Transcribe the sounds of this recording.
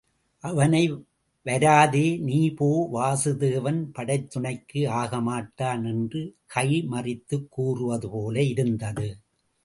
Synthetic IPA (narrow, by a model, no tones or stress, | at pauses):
ʔɐʋɐnɐɪ | ʋɐɾaːðeːniːpoːʋaːsɯðeːʋɐnpɐɽɐɪt̪ːʊɳɐɪkːɯaːɣɐmaːʈːaːnɛndrɯkʰɐjmɐrɪt̪ːɯkːuːrɯʋɐðɯpoːlɐɪɾɯnd̪ɐðɯ